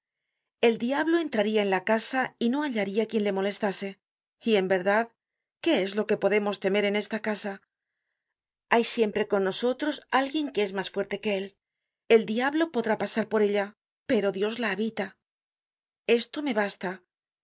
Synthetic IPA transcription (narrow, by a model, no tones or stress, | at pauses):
e̞ld̪iaβlo̞e̞nt̪ɾaɾiaenlakasaino̞aʎaɾiakje̞nle̞mo̞le̞st̪ase̞ | ie̞mbe̞ɾðað | ke̞ezlo̞ke̞po̞ðe̞mo̞st̪e̞me̞ɾe̞ne̞st̪akasa | ajsje̞mpɾe̞ko̞nːo̞so̞t̪ɾo̞salɣje̞ŋke̞e̞zmasfwe̞ɾt̪e̞ke̞el | e̞ld̪iaβlo̞po̞ðɾapasaɾpo̞ɾe̞ʎa | pe̞ɾo̞ðjo̞zlaːβit̪a | e̞st̪o̞me̞βast̪a